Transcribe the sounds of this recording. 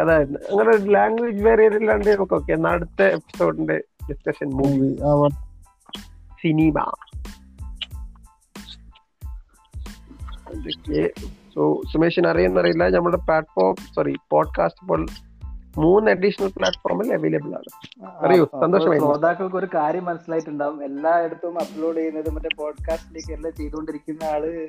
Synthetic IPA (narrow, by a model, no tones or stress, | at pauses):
ɐðaːjɾunːɨɐŋːɐnelaːŋɡweːd͡ʑɨʋeːrijɐðilːaɳɖɨnɐmɐkːoːkːeːnaɽut̪ːeepːi̥so̞ːɖinɖeɖiskɐʂɐnmuːʋi | sinima̰ː | d̪okːesoːsumeːʂɐnɐrijenːɐrijulːɐnɐmːɐɭuɽeplaːʈfoːrmsɐripoːɖka̰ːsʈɨ̥pːoːɭ | muːnːɐɖiʂɐnɐlplaːʈfoːrmileʋeːlɐbɨɭa̰ːɳɨɐɾijusɐnd̪oʂɐmaːj̪ɐoːd̪aːkːɐɭkoɾukaːɾjɐmːɐnɐsːilaːjiʈːuɳɖaːʋumelːaːe̞ɽut̪ːɐʋumɐpːloːɽejunːɐðɨmɐtːepoːɖkaːstineːkːelːat͡ɕe̞jt̪uko̞ɳɖiɾikʲːunːɐaːɭɨ